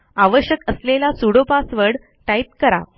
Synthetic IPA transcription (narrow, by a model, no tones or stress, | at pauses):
aʋəɕjəkəslelasuɽopasʋəɽ | ʈait̪kəɾa̰